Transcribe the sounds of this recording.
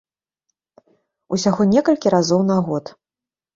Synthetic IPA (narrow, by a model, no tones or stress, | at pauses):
usʲaɣɔnʲɛkɐlʲkʲiɾazɔwnaɣɔt̪